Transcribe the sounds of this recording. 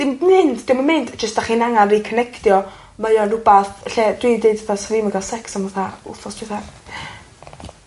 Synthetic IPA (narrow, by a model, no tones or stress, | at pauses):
d̥ɪmmɪndd̥ɪmamɪndd͡ʒəsd̥aχiːnaŋalːikʰənɛktjɔ | majɔnrʊbaθɬɛdwidedvaθasɔviːməɡalˠsɛksanmvaθaʊ̰θɔsd̥ɪθaja